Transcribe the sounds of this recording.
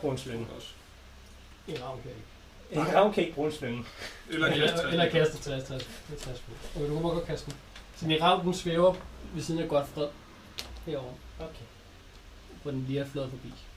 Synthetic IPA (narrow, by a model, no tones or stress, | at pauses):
b̥ʁṵːnslen̩ɔs | iʁɑ̈ʊ̰nkʰæjɐeɡ̥ | ʁɑ̈ʊ̰nkʰæeɡ̥̚b̥ʁuːenslen̩ | elɐkʰæsd̥ət͡sʰʁɛst͡sʰʁɛset͡sʰʁɛsb̥o̰okʰedukʰæmɒɡ̥ɒ̥kʰæsd̥m̩ | sɒniʁɑ̈ʊ̰nd̥n̩sʋeʊɐʋe̝siːn̩æɡ̥ɒ̽d̥fʁɛð̰ˠ | heɐ̰ɒʊ̰ɐokʰe | pʰɒd̥enliɐflɔðˠfɒ̽b̥ḭː